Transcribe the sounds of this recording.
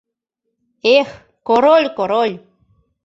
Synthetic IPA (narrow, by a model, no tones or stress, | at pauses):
eχ | koɾolʲkoɾoʎ